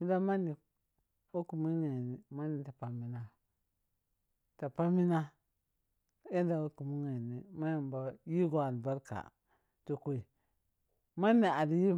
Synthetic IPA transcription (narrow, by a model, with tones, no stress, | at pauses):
mi˦da˦ma˦ni˨ | o˦ku˨mi˦ŋe˨ni˨ma˦ni˨ta˨pa˨mi˨na˦ | ta˨pa˦mi˦na˦ | e˦n˦da˨wo˦ku˨mu˦ŋe˨ni˨ma˦ja˨mba˨ji˦ɡo˨a˨lba˦ɾka̰˨ | to˦ko˦i˨ | ma˦ni˨a˨di˦ji˦